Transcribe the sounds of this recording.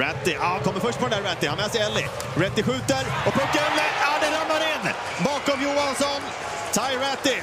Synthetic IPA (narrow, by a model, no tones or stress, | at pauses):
ɛt̪ːɪʔaakʰɔmːəɾfœʂʈ̚pʰɔd̪ɛnd̪æɾɛt̪ːɪhanɛːsɛjɛlːɪ̰ | ɾɛt̪ːɪɧʉ̟ːt̪əɾɔpʰɵkːaɾɛlːəad̪ɛɾamnaɾɪnː | bɑːkɔmjuːansɔn | t̪ʰajɾɛt̪ːɪ